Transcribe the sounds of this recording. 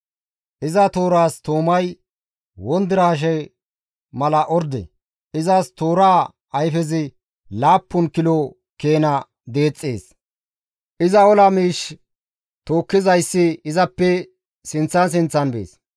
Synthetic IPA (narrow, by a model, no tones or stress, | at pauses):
ʔɪzɐt̪o̞ːɾaːst̪oːmɐj | wɔnd̪ɪɾaːʃ̬ɛ | mɐlɐʔɔɾd̪ɛ̰ | ʔɪzɐst̪oːɾaː | ɐjfɛzɪ | laːpːʊnkɪlo | keːnɐ | d̪e̞ːt͡sʼːeːs | ʔɪzɐɔlɐmiːʃ | t̪o̞ːkːɪzɐjsːɪɪzɐpːɛ | sɪnt͡sːɐns̬ɪnt͡sːɐnbḛːs